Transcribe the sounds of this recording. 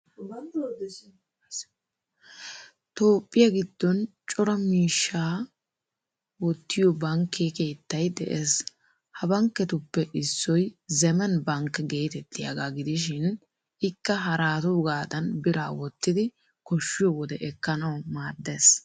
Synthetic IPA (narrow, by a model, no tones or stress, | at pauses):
t̪oːpʼːɪjɐɡɪd̪̥ːɔnt͡ʃʼɔɾɐmiːʃːaː | wɔt̪ːɪjɔbɐŋkːeːke̞ːt̪ːɐjd̪ɛʔeːs | hɐbɐŋkːɛt̪ʊpːɛʔɪsːɔjzɛmɛnbɐŋkɡe̞ːt̪ɛt̪ːɪjɐ̰ɡaɡɪd̪ɪʃ̬ɪn | ɪkːɐɦɐɾaːt̪ʊɡaːd̪ɐnbɪɾa̰ːwɔt̪ːɪd̪ɪ | kɔʃːɪjɔwɔd̪ɛʔɛkːɐnɐwmaːd̪ːeːs